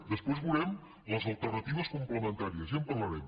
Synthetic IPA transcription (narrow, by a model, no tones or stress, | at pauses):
d̪əspwozβuɾɛm | ləzəlˠt̪ərnət̪iβəskumpləmənt̪aɾiəzəmpərləɾɛm